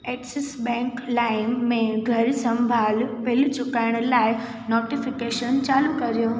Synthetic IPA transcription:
eːksɪsbɛ̃ːŋklaːɪmːẽɡʱɐɾsɐ̃mbʱaːlpɪlt͡ɕʊkaːɪɽ̃laːɪ | noːʈifɪkeːʃənt͡ɕaːlukɐɾijoː

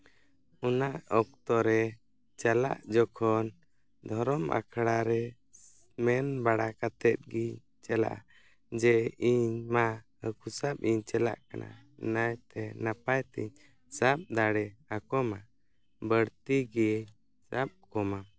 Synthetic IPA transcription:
unaʔɔk̚t̪ɔɾɛ | t͡ʃala̰ʔd͡ʒɔkʰɔn | d̪ʱɔɾɔmʔa̰kʰɽaɾɛ | mɛnbaɽakat̪ɛt̪̚ɡiɲ | t͡ʃɛla̰ʔa̰ | d͡ʒɛiɲma | əkusap̚iɲt͡ʃɛla̰ʔka̰nʔa̰najt̪ɛnapajt̪ḭɲ | sap̚d̪aɽɛakɔma | bəɽt̪iɡiɲ | sap̚kɔma

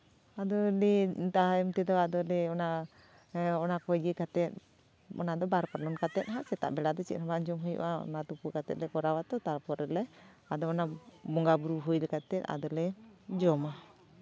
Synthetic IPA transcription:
ad̪ɔlɛt̪aɦɛmt̪ɛd̪ɔad̪ɔlɛɔna | ɔnakɔɡikat̪ɛt̪̚ | ɔ̰nad̪ɔbaɾpaɾlɔnkat̪ɛt̪̚ɦaʔsɛt̪a̰ʔbɛlad̪ɔt͡ʃḭt̪̚habad͡ʒɔmɦɔjṵʔaɔ̰nat̪upukat̪ɛt̪̚lɛkɔɾawat̪ɔt̪aɾpɔɾɛlɛ | ad̪ɔɔnabɔŋɡabuɾuɦujlɛkat̪ɛt̪̚a̰d̪ɔlɛd͡ʒɔma

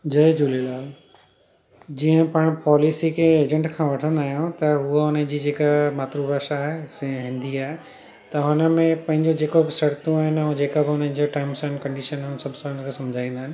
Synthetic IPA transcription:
d͡ʑɐd͡ʑuːlelaːl | d͡ʑiːə̃pɐɽ̃pɔːlisikʰeeːd͡ʑə̃ɳʈkʰãːʋɐʈʰə̃nd̪aːɦijõt̪ɐɦuaʊnə̃d͡ʑiːd͡ʑeːkamaːt̪ɾubʱaːʃaɦesɦɪ̃nd̪iaːɦe | t̪ɐɦʊnə̆mẽpɐ̃ɦɪ̃ɲd͡ʑod͡ʑeːkobɪsɐɾt̪ũaːɦɪnõːd͡ʑeːkabɪʊnə̃nd͡ʑoʈaːɪmsənkɐ̃ɳɖiːʃənʊnsɐbʱsɔ̃nkʰãsɐmd͡ʑʱaːĩːn̆d̪aːɦɪnɪ̆

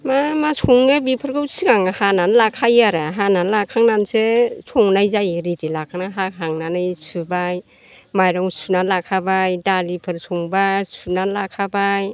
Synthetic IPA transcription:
mamasʰuŋɯbipʰɯɾkɯwsiɡaŋahananlakʰajaɾaɦananlakʰaŋnansesʰuŋnajzajɾidilakʰanaɦakʰaŋnanajsɯbaj | majɾɔŋsunalakʰabajdalipʰɯɾsʰuŋbajsunanlakʰabaj

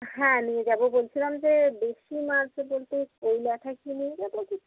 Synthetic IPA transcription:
ɦɛ̃nied͡ʑabobolt͡ɕʰilamd͡ʑebeʃimaɾsebolt̪ekojlaʈ̪ʰakiniɔt̪okit̪ʰ

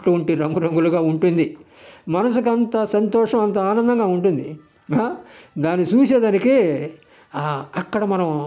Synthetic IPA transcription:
uuɳʈiɾɐŋɡuɾɐŋɡuluɡaːuɳʈund̪imɐnɐs̬uk̬ɐnt̪ɐsɐnt̪ɔːʂɐmɐnt̪ɐaːnɐnd̪ɐŋɡaːuɳʈund̪i | ad̪aːnːit͡ʃuːt͡ʃeːd̪aːniki | ɐkːɐɽɐmɐnɐm

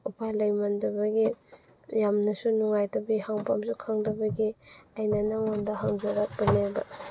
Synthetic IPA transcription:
upʰalajmandɐbɐɡi | jamnɐsunuŋajtabihaŋpamsukʰaŋdɐbɐɡiajnanaŋondɐɦaŋzaɾak̚bɐleba̰

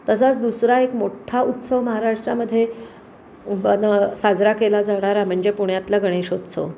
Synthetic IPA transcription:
t̪əs̬at͡sd̪usɾaekmoʈʰaut̪səʋməɦaɾaʂʈɾa̰məd̪ʱːje | ənəsad͡zɾakelad͡zaɽ̃aɾam̤əɳd͡zepuɽjat̪laɡəɽ̃eɕod̪sə̰ʋ

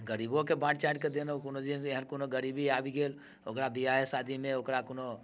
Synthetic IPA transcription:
ɡəɾiːbõkebãːʈt͡ʃãːʈked̪enokunod̪ineɦənkunoɡəɾiːbiaːbiɡeːl | okɾabiaesaːd̪ʱimẽokɾakuno

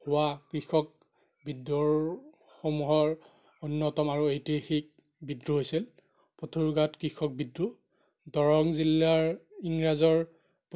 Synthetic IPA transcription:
hʊwakɹixɔk̚ | bidɔɹ | xomuɦɔɹ | unːɔtɔmaɹuejtexik̚ | bidɹuɦojsil | pɔtʰuɹɡatkɹixɔk̚bidɹu | dɔɹɔŋzilːaɹiŋɹazɔɹ | p

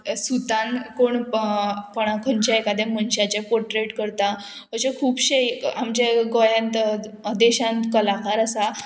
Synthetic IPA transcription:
sut̪ãnkoɳ | pəɽ̃akʰəɲt͡ɕaekad̪ɛmənɕat͡ɕapoɾʈɾeʈkəɾt̪a | ʋət͡ɕekʰuːbɕeamd͡ʑeɡojãnt̪d̪eɕãnt̪kəlakaɾəsa

